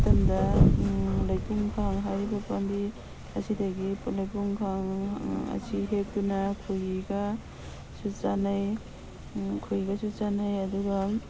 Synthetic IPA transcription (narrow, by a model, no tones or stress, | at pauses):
tɐndɐ | lɐjpuŋkʰaŋɦajɾibɐpandi | ɐsidɐɡilɐjpuŋkʰaŋɐ̰siɦek̚tunɐkʰujɡa | sut͡ʃanaj | kʰujɡɐsut͡ʃanɐjɐduɡɐ